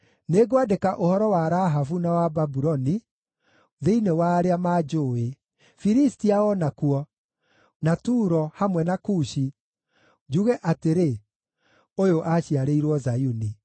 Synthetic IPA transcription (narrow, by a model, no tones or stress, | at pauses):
neɡoadekaʔohɔɾɔwaɾaɦafunawababuɾɔni | ðeinewaːɾeamaːd͡ʒoːe | fiɾistiaɔnakuɔ | natuːɾɔhamwɛnakuːʃi | d͡ʒuɣɛʔateɾe | ojoʔaɕiaɾeiɾwɔzajuni